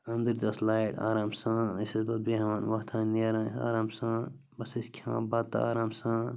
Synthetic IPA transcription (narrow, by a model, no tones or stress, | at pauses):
ɐnd̪iɾd̪ɐslaːiʈa̰ːɾaːmsãɐsɐsbɐt̪̚beɦmaːnʋɐɦt̪ʰãnːɐɾãa̰ːɾaːmsã | bɐsiskʰã̰ːbat̪ːa̰aːɾaːmsãː